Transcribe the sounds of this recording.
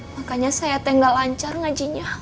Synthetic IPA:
makaɲasajat̪ɛŋɡalaɲt͡ʃarŋad͡ʒiɲa

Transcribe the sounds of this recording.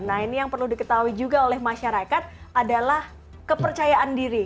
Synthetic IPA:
nainijaŋpərludikət̪aɦuid͡ʒuɡaolɛhmaʃaɾakat̪̚adalah | kəpərt͡ʃajaʔandiɾi

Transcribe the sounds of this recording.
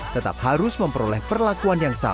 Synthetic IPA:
t̪ət̪a̰p̚haɾʊsməmpəɾolɛhpərlakuanjaŋsa̰

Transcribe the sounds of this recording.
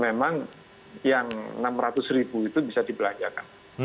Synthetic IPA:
memaŋ | jaŋnamrat̪ʊsribuit̪ubisadipəlaɲd͡ʒaka̰n

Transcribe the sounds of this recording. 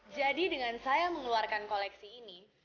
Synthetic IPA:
d͡ʒadidəŋansajaməŋəluarkankolɛksiːni

